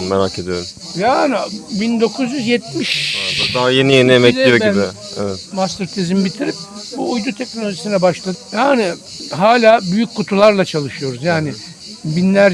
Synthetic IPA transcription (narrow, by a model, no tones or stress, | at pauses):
nmeɾaːkʰed̪ijoɾum | jaːnɪbind̪o̞kʰuzjyzjɛt̪̚miʃaad̪aɦaje̞nijeniemɛlijɛɪ | ɛvɛt̪mast̪ɯɾt̪ʰezimbit̪ʰiɾip̚ | buːjd̪ut̪ʰɛc̚no̞lʲoʒisinɛbaʃlˠad̪ɯjaːnɪ | ɦaːlʲaːbyjyc̚ʲkʰːut̪ʰulˠaɾlˠat͡ʃʰalˠɯʃɯjo̞ɾuzjaːnɪ | binlʲæɾ